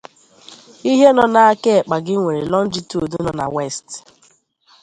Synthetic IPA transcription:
i˦ɦe˦nɔ˨na˨a˦ke˦˨k͡pa˨ɡɪ˦ŋʷe˨ɾe˨lɔ˦n̩˦d͡ʒi˦to˨du˦nɔ˨na̰˨we˦˨st

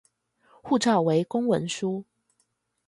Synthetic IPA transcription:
xu˥˨ʈ͡ʂɑ˥˨˩ʊwe˧˦ɪkʊ˥ŋwə̰˧˥nʂu˦

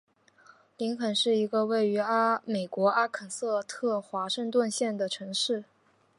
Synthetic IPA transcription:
li˧˥ŋkʰə˨˩nʂɻ̩˥˩i˧˥ɡə˧we˥˩ɪy˧˥a˥me˨˩ɪkwɔ˧˥a˥kʰə˨˩nsɤ˥˧t̪ʰɤ˥˩xwa˧˥ʂɤ˥˧ŋt̪wə˥˧nɕjɛ˥˩nd̪ə˩ʈ͡ʂʰɤ˧˥ŋʂɻ̩˥˩

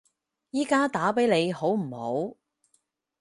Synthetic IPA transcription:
jiː˥kaː˥t̪aː˨˥pe˨˥jne˨˧jho˨˥wm̩˨˩ho̰˨˥w

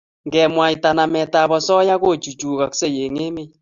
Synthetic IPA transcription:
ŋɡɛ˨mwa˨ita˨na˨mɛ˨ta˨βɔ˨sɔ˦ja˦ɣo˦˨t͡ʃu˨t͡ʃu˨ka˨kse˦je˨ŋe˦me˦j

